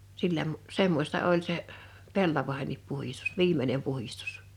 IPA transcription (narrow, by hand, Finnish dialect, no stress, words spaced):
silːæ mu semːosʲtɑ olʲ se pelːɑʋɑĕhenːip puhistu̥s ʋiːmˑenem puhistu̥s